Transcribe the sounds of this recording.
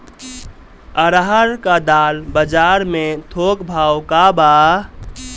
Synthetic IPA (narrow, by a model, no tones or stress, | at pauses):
əɾaɦəɾkad̪aːlbəd͡ʒaɾmet̪ʰokbʱawkaba